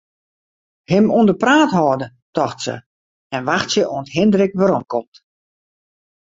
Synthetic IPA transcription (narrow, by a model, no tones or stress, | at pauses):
hɪmundəpraːthɔːdə | tɔxtsə̰ | ɛnʋaxtsjəʔoənthɪndrɪkʋaɾomkʰɔmt